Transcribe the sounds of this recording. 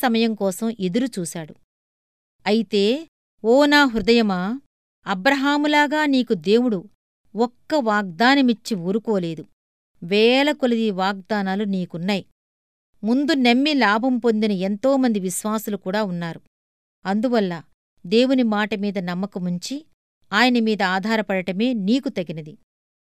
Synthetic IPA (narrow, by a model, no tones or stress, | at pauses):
sɐmɐjɐŋkɔːsɐmʔed̪uɾut͡ʃuːʃaːɽu | ɐjit̪e̞ː | ɔːnaːɦɾud̪ɐjɐmaː | ɐbɾɐɦaːmulaːɡaːniːkud̪e̞ːwuɽu | ɔkːɐʋaːɡ̚d̪aːnɐmit͡ʃːiuːɾukɔːle̞ːd̪u | ʋɛːlɐkolid̪iʋaːɡ̚d̪aːnaːluniːkunːaːji | mund̪unemːilaːbʱɐmpo̞nd̪inɐe̞nt̪o̞ːmɐnd̪iʋiʃʋaːsulukuːɽaːunːaːɾu | ɐnd̪uʋɐlːɐ | d̪e̞ːwunimaːʈɐmiːd̪ɐnɐmːɐkumuɲt͡ʃi | aːjɐnɐmiːd̪ɐaːd̪ʱaːɾɐpɐɽɐʈɐme̞ːniːkut̪ɐɡinɐd̪i